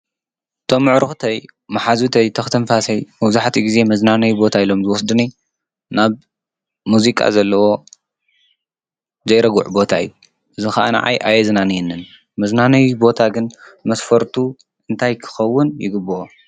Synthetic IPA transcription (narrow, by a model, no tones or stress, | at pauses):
t̪ʰo̞mːɨʕɾɨxt̪ʰɐj | mɐħazut̪ʰɐjt̪ʰɐxt̪ʰɐnfasɐjmɐβzaħt̪ʰiɡize̞mɐznanɐjubo̞t̪ʰailo̞mzɨwɔs̬d̪uni | naβ | muzikʼa̰zɐlːɐwo̞ | zɐjɾɐɡṵʕbo̞t̪ʰaɨ̰jːu | ʔɨzixaʔana̰ʕa̰jʔa̰jɛznanjɛnːɨn | mɐznanɐjubo̞t̪ʰaɡɨnmɐsfɐɾt̪ʰu | ʔɨnt̪ʰajkʰɨ̥xɐwːʊnjɪ̰ɡɨbːɨʔo